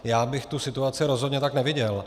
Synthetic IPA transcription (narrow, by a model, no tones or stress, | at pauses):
jaːbɪxt̪usɪt̪uat͡sɪɾozɦod̪ɲɛt̪aknɛvɪɟɛl